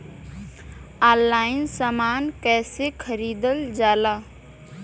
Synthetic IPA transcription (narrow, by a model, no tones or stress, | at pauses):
aːlːaːɪnsaːmaːnkɛːsekʰəɾiːd̪əld͡ʒaːlaː